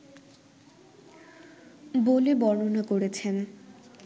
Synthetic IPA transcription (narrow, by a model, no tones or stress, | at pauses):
bolebɔnonakoɾet͡ɕʰen